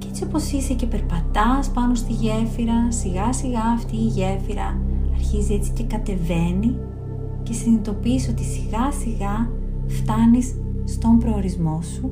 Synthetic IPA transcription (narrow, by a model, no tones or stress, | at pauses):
ceet͡sio̞po̞sisece̞peɾpɐt̪ɐspɐno̞st̪iʝe̞fiɾɐsiɣɐsiɣɐːft̪iːʝe̞fiɾɐ̰ɐɾçizie̞t͡si̥ce̞kɐt̪e̞ve̞ni | ce̞sinit̪o̞piso̞t̪isiɣɐsiɣɐ | ft̪ɐnisː | t̪o̞mpɾo̞ːɾizmo̞su